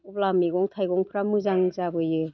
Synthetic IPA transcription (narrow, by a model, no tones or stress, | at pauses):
ɔblamiɡɔŋtʰajɡɔŋpʰɾamɯzaŋzabɯjɯ